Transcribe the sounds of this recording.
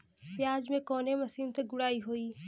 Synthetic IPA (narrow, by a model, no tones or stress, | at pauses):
pjaːd͡ʒmẽkɔːnemɐsiːmt̪ɐk̚ɡʊɽaːiɦoːiː